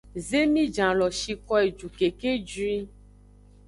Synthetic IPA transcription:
ze˦mĩ˦d͡ʒã˨lɔ˨ʃi˨kɔ˦e˨d͡ʒu˨ke˨ke˦d͡ʒi˦

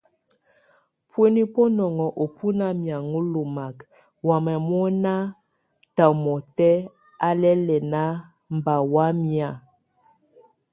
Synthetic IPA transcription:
pwe˦ni˦pɔ˦nɔ˨ŋɔ˨ʔo˨pʰu˦na˦mja˨ŋu˦lo˨ma˨k | wa˨mɛ˨mɔ˦na˦ | ta˨mɔ˨tɛ˦ | a˦lɛ˦lɛ˨na˦ | m˨ba˨wa˦mja˦˨

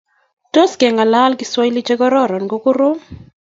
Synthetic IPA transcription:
to˦skɛ˨ŋa˨la˦lɡɪ˦swɔ˦jli˦t͡ʃe˦ɡɔ˦ɾɔ˦˨ɾɔ˨nɡo˦kʊ˦ɾo˦

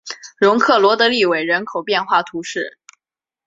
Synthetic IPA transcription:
ɻʊ˧˥ŋkʰɤ˥˩lwɔ˧˥t̪ɤ˧˥li˥˩we˨˩ɪɻə˧˥nkʰo˨˩ʊpjɛ˥˧nxwa˥˩t̪ʰu˧˥ʂɻ̩˥˩

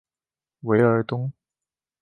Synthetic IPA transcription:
we˧˥ɪə˞˧˥t̪ʊ˥ŋ

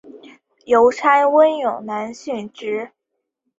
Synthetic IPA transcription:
jo˧˥ʊt͡sʰa˥ɪwə˥njʊ˨˩ŋna˧˥nɕy˥˩nʈ͡ʂɻ̩˥

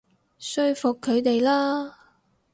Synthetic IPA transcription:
sɵ˧˥ɥfʊ˨kʰːɵ˨˧ɥt̪e˨jlaː˥

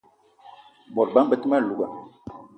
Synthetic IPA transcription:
bɔ˨ɾba˦m˦bə˦tma˦˨lu˨ɡa̰˨

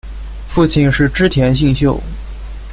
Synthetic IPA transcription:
fu˥˧t͡ɕʰi˥˩nʂɻ̩˥˩ʈ͡ʂɻ̩˥t̪ʰjɛ˧˥nɕ̬i˥˧ŋɕjo˥˩ʊ

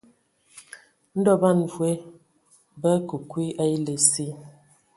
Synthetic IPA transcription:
n̩˦dɔ˦ba˦˨n˨vwe˦ | bə˦ku˨kwi˦ʔa˦i˦le˨si˦

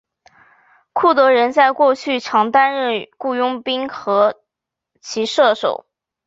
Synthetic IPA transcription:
kʰu˥˩t̪ɤ˧˥ɻə˧˥nt͡sa˥˧ɪkwɔ˥˧t͡ɕʰy˥˩ʈ͡ʂʰɑ˧˥ŋt̪a˥nɻə˥˧nku˥˩jʊ˥ŋpi˥ŋxɤ˧˥ | t͡ɕʰi˧˥ʂɤ˥˩ʂo˨˩˦ʊ

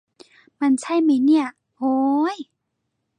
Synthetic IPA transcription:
ma˧˥˨nt͡ɕʰa˥˩jma˧˩jni˥˩ɐ | ʔoː˧˦j

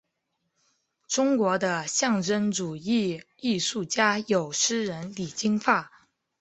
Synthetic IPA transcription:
ʈ͡ʂʊ˥ŋkwɔ˧˥d̪ə˧ɕjɑ˥˩ŋʈ͡ʂə˥nʈ͡ʂu˨˩i˥˩ | i˥˧ʂu˥˩t͡ɕja˥jo˨˩ʊʂɻ̩˥ɻə˧˥nli˨˩t͡ɕi˥ŋfa˥˩

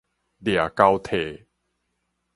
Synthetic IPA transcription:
d̪ja˨˩ka˧wt̪ʰe˨

